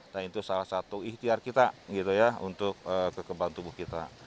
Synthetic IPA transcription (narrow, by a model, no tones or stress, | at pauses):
d̪aint̪usalahsat̪uiht̪iarkit̪aɡit̪ujaṵnt̪ʊk̚əːkəkəbaŋt̪ubʊhkit̪a̰